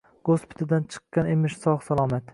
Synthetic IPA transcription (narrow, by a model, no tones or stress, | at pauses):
ɡ̥ospʰɪ̥t̪ʰɪd̪ant͡ʃʰɨ̥qːɑnemɪʃsɒʁsalˠɒmat̪